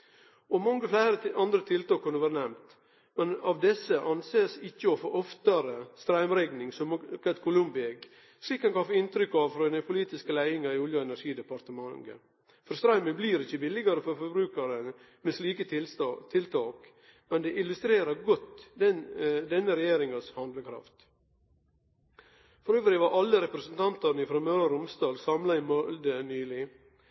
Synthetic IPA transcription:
ɔmɑŋːəflæɪɾəɑnd̪ɾət̪ʰɪlt̪ɑːkʰːʉnːəʋæːɾənɛmt̪ | mɛnɑʋd̪ɛsːəʔɑnseːsɪçːəɔfoːʔɔft̪ɑɾəst̪ɾɑɪmɾɛɡnɪŋsɔmkʰɑlt̪̚kʰʊlʊmbɪɛɡ | sliːkːɑnkɑfɔɪnt̪ɾʏkːɑʋfɾɔnɛpʰʊliːt̪ɪskəlæɪɪŋɑɾɪuːljəɛnæɾʂiːd̪ɛpɑɾt̪əmɑŋə̰ | fɔɾst̪ɾɑɪməbliːɾɪçəbɪlɪɡɑɾəfɔɾfɔbɾʉːkɑɾən | mɛsliːkət̪t̪ʰɪlt̪ʰɑːk | mɛnd̪ɛʔɪlʉst̪ɾeːɾɑɾɡɔt̪ː | d̪ɛnːəɾɛjeːɾɪŋɑshɑnd̪ləkʰɾɑ̰ft̪ | fɔɾøːʋəɾɪːʋɑʔɑlːəɾɛpɾəsənt̪ʰɑnt̪ɑɾnəɪfɾɛmøːɾəɾʊmst̪ɑːlsɑmlɑɪmɔld̪ənyːlɪ

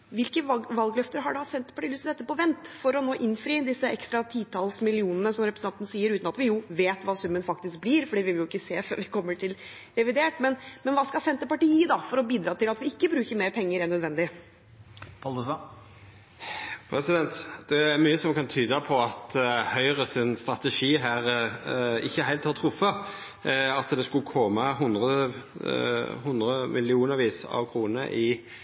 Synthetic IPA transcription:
ʋɪlkəʋɑlɡlœft̪əɾɦɑɖɑsɛnt̪ːə̥pɑʈiːlʏst̪əd̪ɛt̪ːəpɔʋɛnt̪fɔɾɔnoːʔɪnfɾiːəd̪ɪsːəʔɛkst̪ɾɑt̪ʰiːt̪ʰɑːlsmɪlɪuːnənəsɔmɾɛpɾəsnɑnt̪nəsiːəɾʉːt̪nɑt̪ʋɪjuːʋeːt̪ʋɑːsʉmːənfɑk̚t̪ɪsk̚b̪iːɾfɔɖiːʋɪʋɪljʊɪkːəseːfø̰ːɾʋɪkʰɔmːəʈʰɪl | ɾɛʋɪd̪eːʈmɛnmɛnʋɑːskɑsɛnt̪ːəpɑʈiːəd̪ɑfɔɾɔbiːd̪ɾɑːt̪ɪlɑt̪ʋɪɪkːəbɾʉːkəɾmeːɾpʰɛŋːəɾɛɳœd̪ʋɛnd̪ɪ | pɑld̪əs | pʰɾɛsɪd̪ɛnt̪d̪̥ɛæɾmyːəsɔmkʰɑnt̪ʰyːd̪əpʰɔɑt̪hœʏɾəsɪnst̪ɾɑt̪əʂiːɦæːɾ | ɪçːəhæɪlt̪hɑɾt̪ʰɾʊfɑ | ɑt̪d̪ɛskʉlkʰɔmɑɦʊnd̪ʁə | hʊnd̪ɾəmʔɪlɪuːnəɾʋiːsɑ̰ʋkʰɾuːnəʔɪ

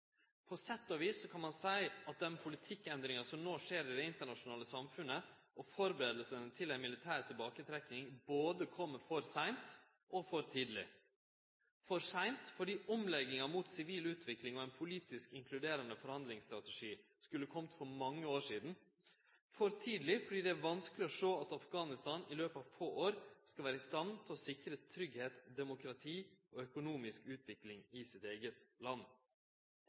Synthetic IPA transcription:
pʰɔsɛt̪ːɔʋiːsːɔkʰɑnmɑnsæɪɑt̪̚d̪ɛnpʰʊlɪt̪ʰɪkːɛnd̪ɾɪŋɑsɔmnoːʂeːɾɪd̪ɛɪnt̪əɳɑʂʊnɑːləsɑmfʉnːəɔfɔɾbəɾeːd̪əl̩sənt̪ʰɪlæɛɪnmɪlɪt̪ʰæːɾt̪ʰɪlbɑːkət̪ʰɾɛknɪŋboːd̪əkʰɔmːəfɔɾsæɪnt̪ | ʔɔfɔɾt̪ʰiːd̪lɪ̰ | fɔɾsæɪnt̪fɔɖiːʔɔmlɛɡɪŋɑmuːt̪sɪʋiːlʉːt̪ʰʋɪklɪŋɔæɪnpʰʊliːt̪ɪskɪŋkʰlʉd̪eːɾɑnəfɔɾhɑnd̪lɪŋst̪ɾɑt̪ɛʂiː | skʉlːəkʰɔmt̪fɔɾmɑŋːəoːʂiːd̪n̩ | fɔɾt̪ʰiːd̪lɪfɔɖiːd̪ɛæːʋɑnskəlɪɔʂoːɑt̪ɑfɡɑːnɪst̪ɑːnɪløːpɑːʋfoːʔoːɾskɑlʋæːɾəɪst̪ɑnt̪ʰɪlɔsɪkəɾət̪ʰɾʏɡheːt̪d̪ɛmʊkɾɑt̪ʰiːɔːœkʊnuːmɪskʉːt̪ʋɪklɪŋɪsɪt̪eːɡət̪lɑnː

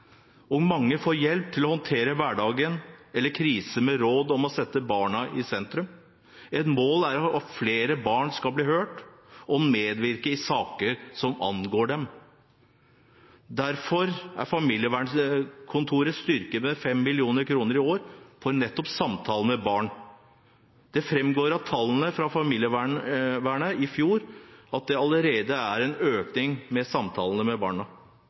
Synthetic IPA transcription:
ɔɡmɑŋːəfoːɾjɛlp̚t̪ʰɪlɔhɔnt̪ʰeːɾəʋæɖɑːɡənɛlːəɾkʰɾiːsəmɛɾoːd̪ɔmɔsɛt̪ːəbɑːɳɑʔɪsɛnt̪ɾʉm | ɛt̪moːlæɾɔfleːɾəbɑːɳskɑlbliːhøːʈɔmeːd̪ʋɪɾkəɪsɑːkəɾsɔmɑ̰nɡoːɖɛm | d̪æɾfɔɾæ̰ɾfɑmiːljəʋæːɳkʰʊnt̪ʰuːɾəst̪ʏɾkəmɛfɛmːɪlɪuːnəɾkʰɾuːnəɾɪoːɾfɔɾnɛt̪ːɔpsɑmt̪ʰɑːln̩mɛbɑːɳ | d̪̥ɛfɾɛmɡoːɾɑt̪ʰːɑlːən̩əfɾɑfɑmiːljəʋæɳʋæːɳəɪfjuːɾɑt̪̚d̪ɛɑləɾeːd̪əæɾɛnøːknɪŋmɛsɑmt̪ʰɑːlən̩əmɛbɑːɳɑ

